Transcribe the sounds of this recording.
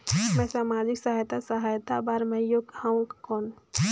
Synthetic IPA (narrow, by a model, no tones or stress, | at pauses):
mɛ̃saːmaːd͡ʒɪksəɦajt̪asəɦaːjt̪abaːɾmɛ̃joɡhãũkɔːn